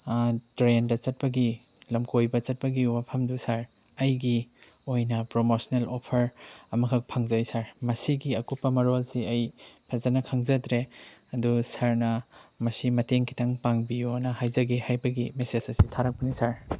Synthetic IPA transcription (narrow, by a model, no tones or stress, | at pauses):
tɾendɐt͡ʃɐt̚pɐɡi | lɐmkʰojbɐt͡ʃɐt̚pɐɡiwapʰɐmdusaɾ | ɐjɡiojnɐpɾomosnelopʰɐɾɐmɐkʰɐk̚pʰaŋzɐjsaɾmɐsiɡiɐkupːɐmɐɾolsiɐjpʰezɐnɐkʰaŋzɐtɾe | ɐdusaɾnɐ | mɐsimɐteŋkʰi̥tʰaŋpaŋbijonɐhajzɐɡihajbɐɡimesesɐsitʰaɾɐk̚pɐnisaɾ